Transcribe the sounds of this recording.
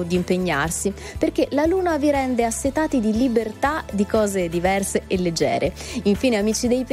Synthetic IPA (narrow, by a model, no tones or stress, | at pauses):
d̪iːmpeɲːa̰rsi | perk̟elaluːnaviɾɛnd̪easːet̪aːt̪id̪ilibert̪ad̪ikɔːzed̪ivɛrseʔelːed͡ʒːɛ̰ːɾʔeiɱfiːneamiːt͡ʃid̪ejp